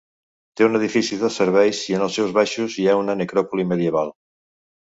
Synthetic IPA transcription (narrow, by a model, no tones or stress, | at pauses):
t̪euneð̞ifisuðeseɾβɛjsienelˠsɛwzβaʃuziɛunanekɾɔpulimeðjeβalˠ